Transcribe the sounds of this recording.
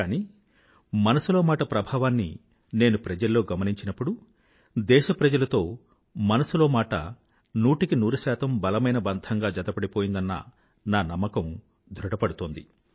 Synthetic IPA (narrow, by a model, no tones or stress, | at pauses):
aːniː | mɐnɐsuloːmaːʈɐpɾɐbʱaːʋaːnːḭ | ne̞ːnupɾɐd͡ʒɐlːo̞ːɡɐmɐniɲt͡ʃinɐpːuɽu | d̪ɛːʃɐpɾɐd͡ʒɐlɐt̪o̞ː | mɐnɐsuloːmaːʈɐ̰ | nuːʈikinuːɾuʃaːt̪ɐmbɐlɐmɐjnɐbɐnd̪ʱʰɐŋɡaːd͡ʒɐd̪ɐpɐɽipo̞ːjind̪ɐnːɐ̰ | naːnɐmːɐkɐm | d̪ʱɾuʈɐpɐɽut̪oːnd̪i